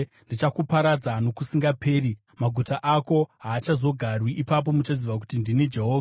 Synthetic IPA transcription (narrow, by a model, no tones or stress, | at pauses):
ndit͡ʃakupaɾad͡zano̞kusiŋɡapʰe̞ːɾi | maɡʱutaʔako̞ɦaːt͡ʃazo̞ɡʱarwiʔːpap̬o̞mut͡ʃaziʋak̬u̥tindined͡ʒe̞ɦoːva